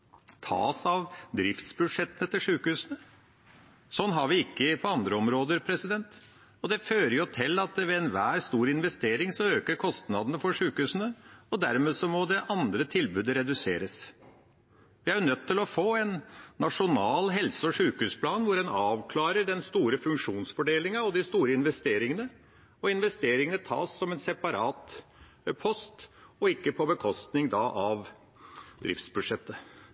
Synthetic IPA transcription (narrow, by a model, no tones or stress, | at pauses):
t̪ʰɑ̰ːsɑʋd̪ɾɪft̪sbʉd̪ʂɛt̪ːənət̪ʰɪlʂʉːkhʉːsənə | sɔnːɦɑɾʋɪɪkːəpʰɔɑnd̪ɾəɔmɾoːd̪əɾpʰɾɛsɪd̪ɛnt̪ | ɔd̪ɛføːɾəjʊt̪ʰɪlːɑt̪ʋɛɛnʋæːɾst̪uːɾɪnʋɛst̪eːɾɪŋsɔøːkəɾkʰɔst̪nɑd̪ənəfɔʂʉːkhʉːsənəɔd̪æɾmeːsɔmɔd̪ɛʔɑnd̪ɾət̪ʰɪlbʉːd̪əɾɛd̪ʉsḛːɾəs | ʋɪæjʉnœt̪ʰːɪlɔfoːɛnːɑʂʊnɑːlɦɛlsəɔʂʉːkhʉːspʰlɑːnʋʊɾɛnɑːʋkʰlɑːɾəɖɛnst̪uːɾəfʉŋkʂuːnsfɔɖeːlɪŋɑɑʋd̪ɪst̪uːɾəɪnʋɛst̪eːɾɪŋənə | ɔɪnʋɛst̪eːɾɪŋənət̪ʰɑ̰ːsːɔmɛnsɛpɑɾɑːt̪ | pʰɔst̪ɔɪkːəpʰɔbəkʰɔst̪nɪŋd̪ɑʔɑʋ | d̪ɾɪ̰ft̪sbʉʂɛt̪ːə